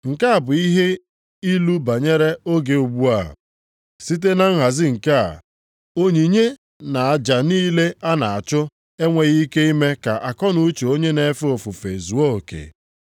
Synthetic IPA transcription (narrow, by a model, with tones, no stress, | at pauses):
ŋ̩˨ka˦a˨bʊ˨i˦ɦe˦ | i˦lu˦ba˨ɲe˦ɾe˦o˦ɡe˨u˨ɡ͡bu˦a˦˨ɦ | si˦t̬e˦na˦ŋ̩˦ɦa˨zɪ˦ŋ̩˨ka˦a̰˨ | o˦ɲi˨ɲe˦ | na˨a˨d͡ʒa˨niː˦le˦a˦na˨a˨t͡ʃʊ˦ | e˦ŋʷe˨ɣi˦ke˦i˦me˦ka˨ʔa˨kɔ˦nu˦t͡ʃe˨o˦ɲe˦ne˨˦fo˨fʊ˨fe˨zu˨o˦o˨kḛ˨